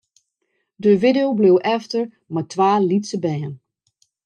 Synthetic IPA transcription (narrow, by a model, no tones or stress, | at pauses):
dəʋɪdeowblewʔɛftər | matʋaːlitsəbɛjən